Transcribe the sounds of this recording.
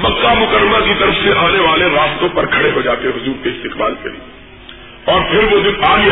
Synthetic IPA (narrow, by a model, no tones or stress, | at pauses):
mɐkːamʊkəɾːəmakit̪ɐɾəfseʔaːneʋaːleɾaːmt̪õpɐɾkʰɐɽeɦod͡ʒaːt̪eɦʊzuːɾkeɪst̪ɪqbaːlkḛlḭe | ɔːɾpʰɪɾʋod̪ɪnaːli